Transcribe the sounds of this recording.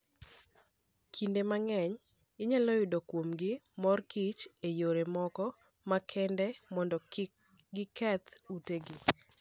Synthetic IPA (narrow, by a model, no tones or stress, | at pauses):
kʰindemaŋɛɲ | ɪɲalɔjʊdokwomɡɪmɔrkit͡ʃejoɾemɔkɔ | makʰɛndɛmɔndɔ | ɡɪkɛt̪uteɡɪ